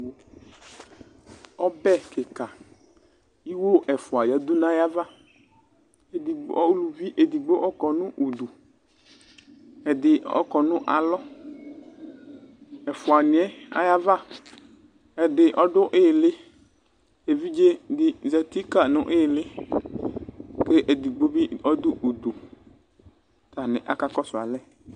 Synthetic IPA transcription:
ɔ˦bɛ˦kɪ˨ka˨ | i˦wo˦ʔɛ˨fʊ˨a˨ja˨d̪u˦nã˦ja˦va˦ | e˨di˨ɡ͡bɔ˦lu˨vi˦ʔe˨d̪i˨ɡ͡bo˦ʔɔ˦kɔ˨nʊ̃˦ʔo˨d̪u˨ | ɛ˨d̪ɪ˨ɔ̰˦kɔ˨nʊ̃˦ʔa̰˨lɔ˦ | ɛ˨fʊ˨a˨nɪ̃˨˦ɛ˦a̰˦ja˦va˦˨ | ɛ˨dɪ˨ʔɔ˦dʊ˦ʔɪ˦˨lɪ˦ | e˨vi˦d͡ʒe˦dɪ˨zɛ˨t̪i˦ka˨nʊ̃˦ʔɪ˦˨lɪ˦ | ke˦ʔe˨d̪i˨ɡ͡bo˦bi˦ɔ˦d̪ʊ˦ʔu˨d̪o˨ | t̪a˨nɪ̃˨ʔa˨ka˦kɔ˦sʊ˨a̰˨lɛ˦˨

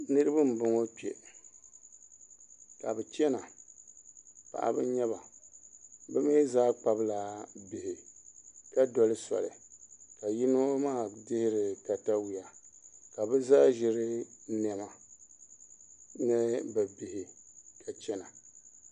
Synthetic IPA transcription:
nɨ˦ɾɨ˦bɨ˦m̩˨bʊ˨˦ŋo˦k͡pi˨ɛ̰˨ | ka˨bɛ˨t͡ʃɛ˦na˨ | pa̰˨ʔa̰˨bɨ̰˦ɲɛ˦βa˨ | bɛ˦me˦zaː˦k͡pa˨bla˨bi˨hɪ˨ | ka˦dɔ˨lɨ˦sa̰˨lɨ̰˨ka˨ji˦no˦maː˦˨dɪ˦hɪ˦ɾɪ˨ka˨ta˦wi˨a˨ka˨bɛ˦zaː˦ʒɪ˦ɾɪ˦nɛ˨ma˨ | nɨ˦bɛ˨bi˨hɪ˨ | kʰa˨t͡ʃɛ˦na˨

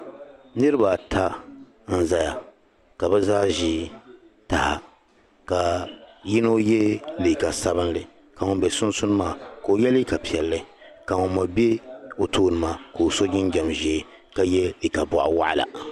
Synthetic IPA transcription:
nɨ˦ɾɨ˦ba˨tʰa˦ | n̩˦za˨ja˨ | ka˨bɛ˦zaː˦ʒi˦ | ta˨ha˨ | ka˨ji˦no˦jɛ˦lɨ˨ka˨sa˦bɨ˦n˦lɨ˨ | ka˨ŋʊ˨˦bɛ˨sʊ˦n˦sʊ˦nɨ˦maː˦ko˨jɛ˦li˦ka˨pi˨ɛ˨lːɨ˦ka˨ŋo˨ma˨be˦o˨toː˦nɨ˨maː˨ko˨so˦ɡʲɪ˦n˦ɡɛ˨mʒe˨˦ | ka˨jɛ˦lɨ˨ka˨bʊ˨ʔa̰˨wa̰˦ʔa̰˦la̰˨

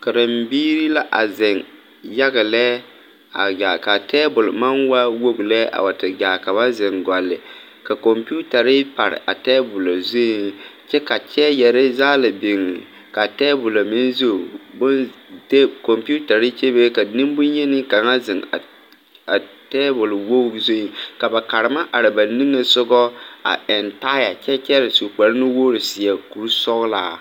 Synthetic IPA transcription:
ka˨ɾa˨mbiː˦ɾi˦la˦ʔa˨zɪ˨ŋ | ja˦ɣa˨lɛ˦ | a̰˨ɡa˨ka˨tɛː˦bʊ˨lma˦nwa˦wo˦ɡlɛ˦ʔa̰˨wa˨tɪ˨ɡa˨ka˨βa˦zɪ˨ŋɡa˨lːɪ˨ | ka˨ko˨mpu˦ta˨ɾɪ˦pa˨ɾɪ̰˨ʔa˨tɛː˦bʊ˨lo˨zu˦t͡ʃɛ˦ka˨t͡ʃɛ˦jɛ˨ɾa˦zaː˦la˨bɪ˨ŋi˨ | ka˨tɛː˦bʊ˨la˨mɪ˦nzo˦˨bʊ˦nte˦kɔ˨mpu˦ta˨ɾɪ˦t͡ʃe˦be˦ka˨nɪ˦mbʊ˦njɛ˦nɪ˦ka˨ŋa˦zɪ˨ŋ˨ | a˨ | tɛː˦bʊ˨lwo˦zo˦i˨ŋka˨ba˨ka˨ɾɪ˨ma˦ʔa˨ɾɪ˨ba˨ni˦ŋe˨sʊ˦ɡɔ˦a̰˨ɛ˨nta˦ja˨t͡ʃɛ˦t͡ʃɛ˦ɾɪ˨su˨k͡pɛ˨ɾɪ˦nɪ˦wo˦ɾɪ˨sɪ˨a˨ku˨ɾsɔ˦ɣla̰ː˨

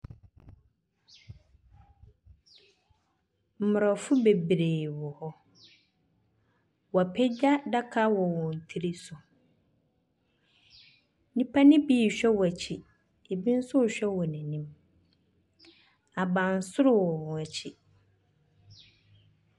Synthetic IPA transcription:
m̩˨mʊ˨ɾɔ˨fʊ˦be˨bɾeː˨wɔ˨hɔ˦ | wɔ˨a˨pʰɛ˦d͡ʑa˦da˦kʰa˦wɔ˨wɔ̃˨n̩˨tʰi˦ɾi˦sʊ˨ | nĩ˨pʰa˦nɪ̃˦biː˦˨ɕᶣɛ˦wɔ˨æ˨t͡ɕʰi˨ | e˨bi˦n̩˦sʊ˦˨ɕᶣɛ˦wɔ˨nĩ˨nĩ˦m | a˨bã˨n̩˨sʊ˦ɾʊ˦wɔ˨wæ˨t͡ɕʰi˨

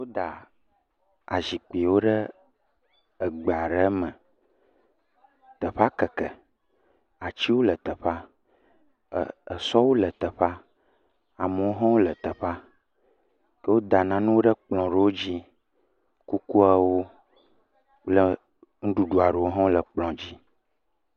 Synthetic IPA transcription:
wo˦d̪a˨ | a̰˨zi˨k͡pi˨wo˦ɖə˦ | ə˨ɡ͡be˨a˨ɖə˦mə̃˨ | t̪ə˨ɸa˦kə˨kə˨ | a˨t͡ɕi˦wo˦lə˨t̪ə˨ɸa˦˨ | ə˨sɔ˦wo˦lə˨t̪ə˨ɸa˦ | a˨mə˨wo˦ɦɔ̃˦wo˦lə˨t̪ə˨ɸa˦ | kə˦wo˦d̪a˨nã˨nũ˦wo˦ɖə˦k͡plɔ̃˨ɖe˨wo˦d͡ʑi˦ | ku˦ku˦a˦wo˦ | lə˨ | ŋ̩˦ɖu˦ɖu˨a˨ɖe˨wo˦ɦɔ̃˦wo˦lə˨k͡plɔ̃˨d͡ʑi˦

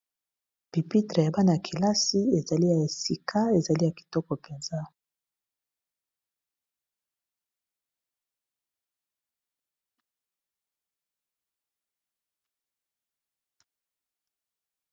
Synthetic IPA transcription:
b̥i˨pi˦tʁe˨ja˨ba˦na˨a˨kʰi˨la˦si˦e˨za˨li˦ja˨e˨si˨kʰa˦e˨za˨li˦ja˨ki̥˨tɔ˦kɔ˨pe˨nza˦

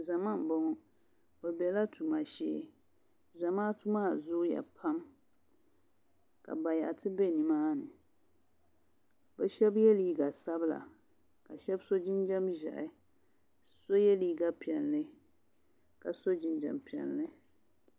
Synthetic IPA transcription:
za˨ma˦m˨bɔ˦ŋɔ˦ | bɛ˨bɛ˨la˦tʰu˨ma˨ʃɛ̰˦ | za˨maː˦tu˦maː˦˨zʊ˦ja̰˨pʰa˦m | ka̰˨ba˨ja̰˨tɨ˦bɛ˦ni˨maː˦nɨ˨ | bɛ˦ʃɛ˦bjɛ˦li˦ɡa˨sa˦bla̰˨ | ka˨ʃɛ˦bso˦d͡ʒɪ˦nd͡ʒɛ˦mʒɛ̰˨ʔɪ˨ | so˦jɛ˦li˦ɡa˦pi˨ɛ˨lːɨ˦ | ka˨so˦d͡ʒɪ˨nd͡ʒɛ̰˨mpi˨ɛ̰˨lːɨ˦

